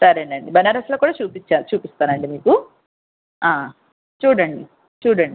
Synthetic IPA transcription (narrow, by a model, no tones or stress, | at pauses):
sɐɾɐɳɖiɐɳɖibɐnaːɾɐsloːkuːɽaːt͡ʃuːpit͡ʃːaːt͡ʃuːpist̪aːnɐɳɖimiːku | aː | t͡ʃuːɽɐɳɖi | t͡ʃuːɽɐɳɖi